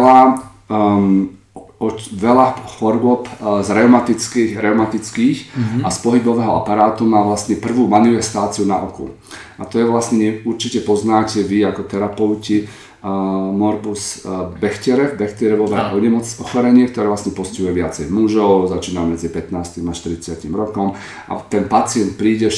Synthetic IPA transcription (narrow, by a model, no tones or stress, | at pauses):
ɛla | ɔʋɛlaxɔɾʊɔpzɾɛʊmat̪it͡skiɾɛʊmat̪it͡skiːxaspɔɦibɔʋɛɦɔapaɾaːt̪umaʋlast̪ɲɛpr̩ʋuːmanifɛst̪aːt͡siunaʔɔkṵ | at̪ɔjɛʋlasɲɛɲɛuɾt͡ʃicɛpɔznaːcɛʋiakɔt̪ɛɾapɛʊci | mɔɾbusbɛxcɛɾɛvbɛxt̪ɛɾɛʋɔʋɛɦɔɲɛmɔt͡sɔxɔɾɛɲɪɛk̚t̪ɔɾɛːʋlasɲɛpɔscɛɦujɛʋɪat͡sɛjmuʒɔʊzat͡ʃiːnamɛd͡zipɛt̪naːsc̪imaʃt̪iɾit͡sɪacimɾɔkɔm | ʔa̰t̪ɛnpat͡sɪɛnt̪̚pɾiːɟɛ